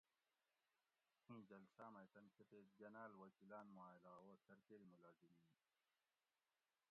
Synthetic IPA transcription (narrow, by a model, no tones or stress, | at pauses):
hĩːd͡ʑɐlsaːmɐt̪ɐnkʰet̪eːd͡ʑɐnaːlwɐkilaːnmuaːjlaːoːsɐɾkeɾimulaːzimiːn